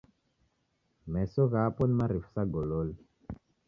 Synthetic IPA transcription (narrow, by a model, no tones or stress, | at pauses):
mɛsɔɣapɔnimaɾifu̥saɡɔlɔli